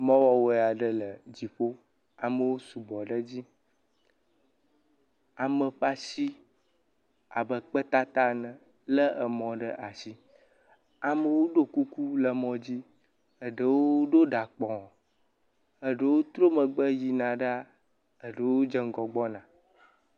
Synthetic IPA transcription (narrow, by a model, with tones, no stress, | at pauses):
mɔ̃˦wɔ˦wo˦˨a˨ɖə˦lə˨d͡ʑi˨ɸo˦ | a˨mə˨wo˦su˨bɔ˨ɖə˦d͡ʑi˦ | a˨mə̃˨ɸa˦si˦ | a̰˨bə˨k͡pə˦t̪a˦t̪a˦nə̃˨ | lə˦ʔə˨mɔ̃˨ɖə˦ʔa˨si˦ | a˨mə̃˨wo˦ɖo˦ku˦ku˦lə˨mɔ̃˨d͡ʑi˦ | ə˨ɖə˨woo˦ɖo˦ɖa˨k͡pɔ̃˨ | ə˨ɖə˨wo˦t̪ɾo˦mə̃˨ɡ͡bə˦ji˨nã˨ɖə˦a˦˨ | ə˨ɖə˨wo˦d͡ʒə˦ŋ˦ɡɔ˨ɡ͡bɔ˦nã˨